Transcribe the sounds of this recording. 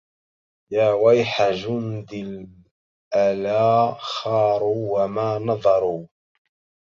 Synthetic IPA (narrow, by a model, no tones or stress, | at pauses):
jaːwajħad͡ʒʊnd̪ɪl | ʔalaːxɑːɾˤuːwamaːnɑðˤɑɾˤuː